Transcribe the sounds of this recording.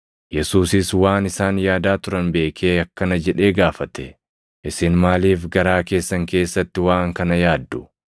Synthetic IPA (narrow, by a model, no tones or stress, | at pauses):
jɛsuːsɪswaːnɪsaːnjaːd̪aːt̪ʊɾɐnbe̞ːkʰeːɐkːɐnɐd͡ʒɛᶑe̞ːɡaːfɐt̪ɛ | ʔɪsɪnmaːliːfɡɐɾaːke̞ːsːɐŋke̞ːsːɐt̪ːɪwaːŋkɐnɐjaːd̪ːʊ̥